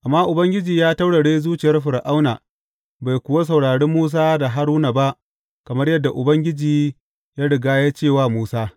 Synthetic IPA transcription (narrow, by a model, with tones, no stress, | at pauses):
ʔa˨mːaː˦ʔʊ˨bɐ˦ŋɡʲɪ˦d͡ʒiː˨jaː˦ta˦wɽa˨ɽeː˦zuː˦t͡ʃɪ˨jɐ˦rɸɪ˨ɾʔa˦wnaː˨ | ba˨jkʷʊ˨wa˦s̬ɐ˨wɽaː˨ɽeː˦mːuː˦s̬aː˦da˨ɦa˦ɽuː˦na˨ba˦ʔ | kɐ˨mɐ˦rjɐ˦dːa˨ʔʊ˨bɐ˦ŋɡʲɪ˦d͡ʒiː˨ | jaː˦ɽɪ˨ɡaː˦jaː˦t͡ʃeː˦˨waː˦˨muː˦saː˦